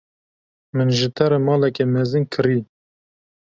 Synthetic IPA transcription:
mɨnʒɨt̪ʰɛɾemɑːlɛkɛmɛzɨnkʰɨɾi

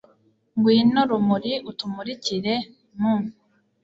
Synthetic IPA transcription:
ŋɡwiːnoɾumuɾiutumuɾiciɾe | muːn

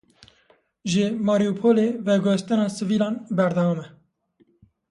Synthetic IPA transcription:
ʒɪmɑːɾijupʰoːlevɛɡʷost̪ɨnɑːsɨviːlɑ̃ːnbɛɾd̪ɑːmɛ

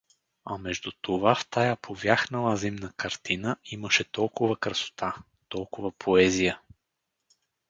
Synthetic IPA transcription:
ɐmɛʒd̪ut̪ovaft̪ajapʰovʲjaxnəlˠəzimnəkɐɾt̪inəiməʃɛt̪ɔlˠkʊvəkɾəso̥t̪a | t̪ɔlˠkʊvəpʰoɛzijə

